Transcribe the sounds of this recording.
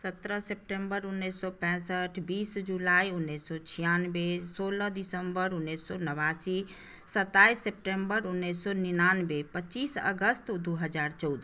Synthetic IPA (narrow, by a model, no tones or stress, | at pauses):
sət̪ɾəsep̚ʈẽmbəɾunːesːɔpɛ̃səʈʰbiːsd͡ʒulaiunːesːɔt͡ʃʰijanbesoləɦd̪isəmbəɾunːesːɔnəβasi | sət̪aisep̚ʈembəɾunːesːɔninanbepətːt͡ʃiːsə̰ɡəst̪d̪uɦəd͡ʒaɾt͡ʃɔʊd̪